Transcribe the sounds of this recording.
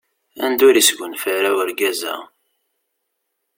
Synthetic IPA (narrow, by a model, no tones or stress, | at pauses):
æ̰nd̪ʊɾisɡʷənfəɾæwəɾɡæzæ̰